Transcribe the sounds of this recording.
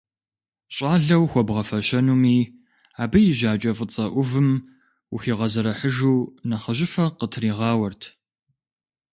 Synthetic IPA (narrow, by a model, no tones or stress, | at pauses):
ɕʼɑːɮɐwxʷɔbʁɐfɐɕɐnuːmiː | aːbɨjɪʑaːt͡ʃʼɐfʼət͡sʼɐʔʷʊvɨm | wxiːʁɐzɐɾɐħəʒuːnɐχəʑɪfɐqətʰriːʁɑːwɐrtʰ